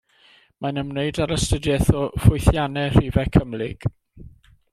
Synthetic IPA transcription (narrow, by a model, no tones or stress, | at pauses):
manəmneɨdaɾəstədjɛθɔfʊjθjanɛr̥ivɛkʰəmlɪɡ̥